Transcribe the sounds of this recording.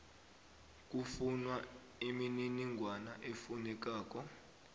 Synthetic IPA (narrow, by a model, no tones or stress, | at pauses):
k̬ʼufunwa | imininiŋɡʱwanaʔefunɛk̬aːk̬ɔ